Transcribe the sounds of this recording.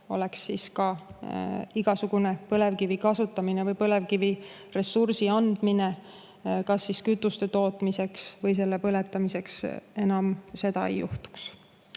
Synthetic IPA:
o̞̰le̞ksːiskɑ | iɡ̥ɑsuɡ̥une̞pɤle̞vkivikɑsut̪ːˑɑminevɤjpɤle̞vkivi | resursiɑnd̪̥mine̞ | kɑsːiskyt̪ːˑust̪e̞t̪o̞ːt̪ːˑmise̞ksvɤjs̬e̞lːepɤlet̪ːˑɑmise̞kse̞nɑmse̞d̪ɑḛjṵht̪u̥ks

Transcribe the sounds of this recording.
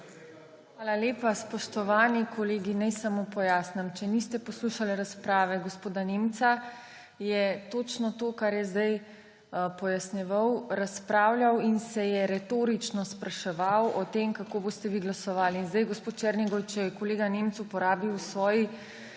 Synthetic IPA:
xʋaːlaleːpaspɔʃt̪ɔʋaːnikʰɔleːɡinɛjsamopɔjaːsnamt͡ʃɛnist̪ɛpɔsluʃalɛɾaspɾaːʋɛɡɔspoːd̪anemt̪sa | jɛt̪oːt͡ʃnɔt̪oːkaɾjɛzd̪aj | pɔjasnɛʋawɾaspɾaːwlʲjʲawinsɛjɛɾɛt̪oːɾit͡ʃnɔspɾaʃɛʋawɔt̪emkakoːboːst̪ɛʋiɡlasɔʋaːliːnzd̪ajɡɔspoːt̪t͡ʃɛɾniɡɔwt͡ʃɛjɛkɔleːɡanemt̪supɔɾaːbiwsʋɔːji

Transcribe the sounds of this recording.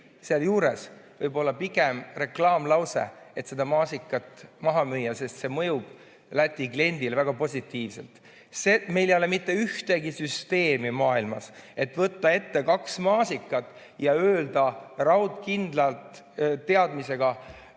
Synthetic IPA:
seɑljuːɾe̞svɤjbo̞lːɑpiɡe̞mre̞klɑːmlɑwsḛet̪se̞d̪̥ɑmɑːsikːˑɑt̪ˑmɑɦɑmyjːɑse̞st̪se̞mɤjub̥ | læt̪ʲˑːikle̞nʲd̪ilvæɡ̥ɑpo̞sʲit̪ˑːiːvse̞̰lt̪ | seme̞jlejolemit̪ːe̞yht̪e̞ɡisyst̪e̞ːmimɑːilmɑse̞t̪ːˑvɤt̪ːɑe̞t̪ːe̞kɑksmɑːsikːˑɑt̪ːˑ | jɑøːld̪ɑrɑwt̪kind̪̥lɑlt̪ | t̪ːe̞ɑd̪mise̞ɡ̥ɑ

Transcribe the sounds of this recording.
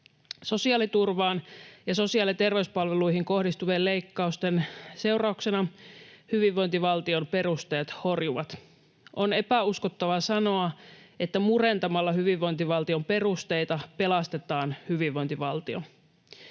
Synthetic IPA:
so̞siɑːlit̪urʋɑːnjɑso̞siɑːlit̪e̞rʋeyspɑlʋelujɦiŋko̞hdist̪uʋeːlle̞jkːɑust̪ense̞wrɑukse̞nɑhyʋiʋːo̞jnt̪iʋɑlt̪io̞mpe̞ɾust̪ejɑt̪ho̞rjuʋɑt̪ | ʔo̞ne̞pæuskot̪ːɑʋɑsɑno̞ɑet̪ːæmure̞nt̪ɑmɑlːɑɦyʋiʋːo̞nt̪iʋɑlt̪io̞mpe̞rust̪e̞jt̪ɑpe̞lɑst̪e̞t̪ɑːnhyʋiʋːo̞jnt̪iʋɑlt̪io̰

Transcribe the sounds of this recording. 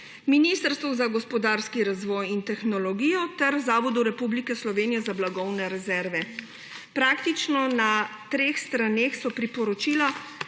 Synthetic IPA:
minist̪əɾst̪ʋɔzaɡɔspɔd̪aɾskiɾazʋɔːjint̪ɛxnɔlɔɡiːjɔt̪ɛɾzaːʋɔd̪uɾɛpublikɛslɔʋeːnijɛzablaɡɔwnɛɾɛzɛɾʋɛ | pɾaːkt̪it͡ʃnɔnat̪ɾeːxst̪ɾanexsɔpɾipɔɾɔt͡ʃiːla

